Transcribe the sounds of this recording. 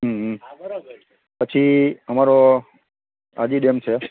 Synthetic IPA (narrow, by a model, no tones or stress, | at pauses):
ɦɦm | pət͡ʃʰiəmaɾo | a̰d͡ʒiɗemt͡ʃʰe